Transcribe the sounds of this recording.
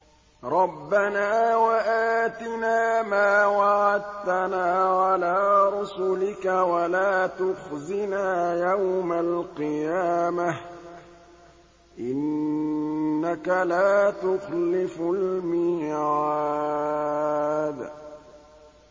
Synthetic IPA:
ɾˤɑbːanaːwaʔaːt̪ɪnaːmaːwaʕad̪t̪anaːʕalaːɾˤʊsʊlɪkawalaːt̪ʊxzɪnaːjawmalqɨjaːma | ʔɪnː | akalaːt̪ʊxlɪfʊlmɪːʕaː | d̪

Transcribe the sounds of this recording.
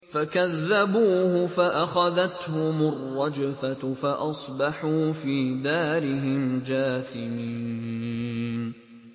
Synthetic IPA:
fakaðːabuːhʊfaʔaxaðat̪hʊmʊrˤːɑd͡ʒafafaʔɑsˤbɑħuːfiːd̪aːɾɪɦɪmd͡ʒaːθɪmiː | nn

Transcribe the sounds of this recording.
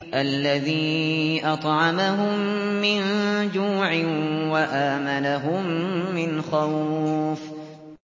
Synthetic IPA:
ʔalːaðiːʔɑt̪ˤʕɑmaɦʊmːɪnd͡ʒuːʕɪwaʔaːmanaɦʊmːɪnxawf

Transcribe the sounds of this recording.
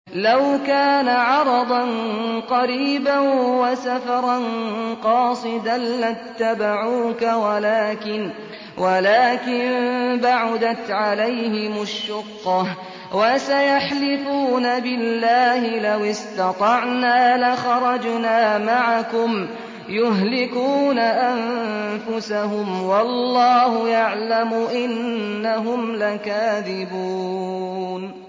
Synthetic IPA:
lawkaːnaʕɑɾˤɑd̪ˤɑnqɑɾiːbawasafɑɾˤɑnqɑːsˤɨd̪anːat̪ːabaʕuːkawalaːkɪn | wʔalaːkɪnbaʕʊd̪at̪ʕalajhɪmʊʃːʊqːɑ | wasajaħlɪfuːnabɪlːaːhɪlawɪst̪ɑt̪ˤɑʕnaːlaxɑɾˤɑd͡ʒnaːmaʕakʊm | jʊɦlɪkuːnaʔanfʊsaɦʊmwɑlːɑːhʊjaʕlamʊʔɪnːaɦʊmlakaːðɪbuːn

